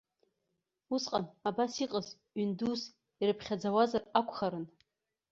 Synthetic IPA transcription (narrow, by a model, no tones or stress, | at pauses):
usqʼanabasiqʼəz | ɥyndus | iɾɨpʰχʲad͡zawazarakʷʰʼχaɾɨn